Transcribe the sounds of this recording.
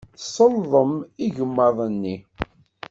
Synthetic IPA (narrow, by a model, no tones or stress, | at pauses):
sˤəlðˤəmiʝəmːəðˤənːi